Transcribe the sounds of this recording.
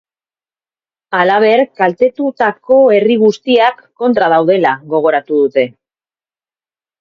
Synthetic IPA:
alaβ̞e̞ɾkalt̪e̞t̪ut̪akʰo̞e̞riɣust̪iakːo̞nt̪ɾað̞awð̞e̞laɣo̞ɣ̞o̞ɾat̪uðut̪e̞

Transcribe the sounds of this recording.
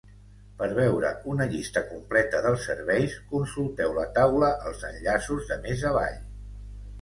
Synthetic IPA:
pəɾβɛwɾə̰unəʎist̪əkumplɛt̪əðəlˠsːəɾβɛjskunsulˠt̪ɛwlət̪awləʔəlˠzənʎasuzðəmezəβa̰ʎ

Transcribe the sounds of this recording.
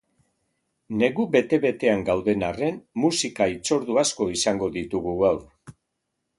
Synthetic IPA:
ne̞ɣuβe̞t̪e̞βe̞t̪e̞aŋɡawðe̞nare̞nmusikait͡so̞ɾðuasko̞isaŋɡo̞ðit̪uɣuɣawɾ

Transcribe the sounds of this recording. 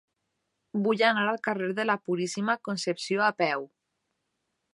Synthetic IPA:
buʎanaɾalkareɾðelapuɾisimakonsepsjoapɛw

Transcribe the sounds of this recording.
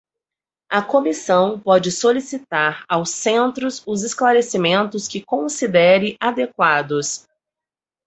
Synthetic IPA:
ɐkomisɐ̃w̃pɔd͡ʒɪsolisit̪aɾawsẽnt̪ɾʊsʊzesklaɾesimẽnt̪ʊskɪkõsid̪ɛɾɪʔad̪ekwad̪ʊs

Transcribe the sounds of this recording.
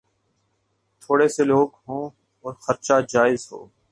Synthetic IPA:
t̪ʰoːɽeːseloːɡɦõː | ɔːɾxəɾt͡ʃaːd͡ʒaːɪzɦo̰ː

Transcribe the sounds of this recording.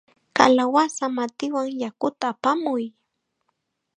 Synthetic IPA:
ka̰lawasamat̪ɪwaŋjakʊt̪aːpamʊj

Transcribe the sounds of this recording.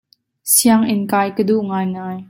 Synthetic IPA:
siaŋʔɪnkaːjkəduʔŋaːjŋaːj

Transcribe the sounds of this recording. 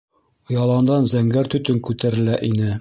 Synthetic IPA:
ŏjɑlˠɑnd̪ɑnzæŋɡæɾt̪ɵ̆t̪ɵŋkʉt̪æɾɘ̆læʔinɘ

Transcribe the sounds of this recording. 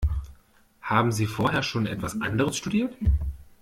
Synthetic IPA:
haːbm̩ziːfoːɐɦeːɐʃoːnʔɛ̰tv̥asʔa̰ndəʁəsʃtudiːɐt

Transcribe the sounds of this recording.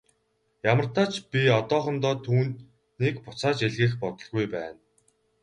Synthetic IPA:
jamə̆r̥t̪aːt͡ɕpʲiɔt̪ɔːχɞ̆nt̪ɔːt̪ʰuːnt̪ | niːkpʊt͡saːt͡ɕeɮɣɘ̆ːχpɔt̪ɞ̆ɮɣujpæːn

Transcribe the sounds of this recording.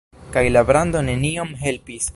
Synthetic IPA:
kajlabɾand̪o̞ne̞niomɦe̞lpis

